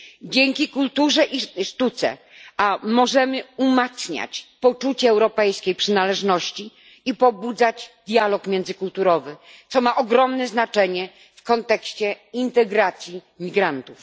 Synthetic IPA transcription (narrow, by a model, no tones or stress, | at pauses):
d͡ʑeŋkʲikult̪uʐɛʔiʂt̪ut̪sɛ̰ | amɔʐɛmɘumat̪sɲa̰t͡ɕpɔt͡ʂut͡ɕɛːwɾɔpɛjskʲejpʂɘnalɛʐnɔɕt͡ɕi | ipɔbud̪zad͡ʑd̪ʲjalɔkmʲjɛnd̪zɘkult̪uɾɔvɘt̪sɔmaʔɔɡɾɔmnɛznat͡ʂɛɲɛ | fkɔnt̪ɛkɕt͡ɕɛ | int̪ɛɡɾat̪sʲji | mʲiɡɾant̪uf